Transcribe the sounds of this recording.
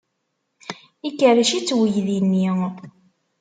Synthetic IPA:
ikːərəʃit͡sːwəjðinːi

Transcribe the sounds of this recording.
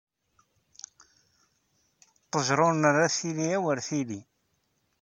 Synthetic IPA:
t̪ˤːəʒɾˤonəræθiliæwəɾθili

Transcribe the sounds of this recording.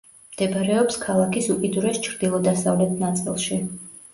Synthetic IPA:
md̪̥ɛbɾɛɔpskʰalˠakʰisukʼid̪uɾɛst͡ʃʰɾd̪ilˠɔd̪asavlɛt̪ʰnat̪sʼilˠʃi

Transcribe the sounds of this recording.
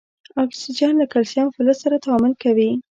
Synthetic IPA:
ɑksid͡ʒɑnlakalsjɑnfʊləssaɾat̪aɑmʊlkawi

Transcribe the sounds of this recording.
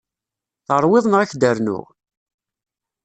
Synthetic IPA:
θəɾˤwɪðˤnʁaçd̪əɾnʊ̰ʁ

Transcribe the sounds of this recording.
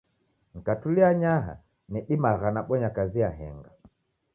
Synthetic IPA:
ŋ̩katuliaɲaɦa̰ | nɛɗimaɣanaɓɔɲakaziaɦɛ̰ŋɡa

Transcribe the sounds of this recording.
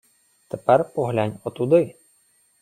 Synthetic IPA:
t̪ɛpɛrpɔɦlʲanʲɔt̪ud̪ɪ

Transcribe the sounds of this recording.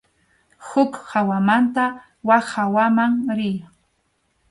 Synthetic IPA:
hʊkhawamant̪a | wahawamaŋɾɪj

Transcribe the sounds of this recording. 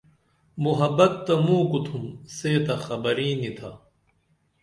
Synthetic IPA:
muɦɐbɐt̪ːɐmũːkut̪ʰumseːt̪ɐxɐbɐɾĩːnit̪ʰa

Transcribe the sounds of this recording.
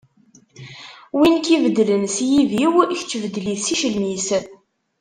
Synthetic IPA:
winkivəd̪ːlənsjiviwçt͡sːvəd̪ːliθsiʃəlmisə

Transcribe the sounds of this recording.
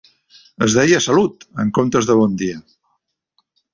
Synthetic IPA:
əzðɛjəsəlut̪əŋkomt̪əzðəβ̞ɔnd̪iə

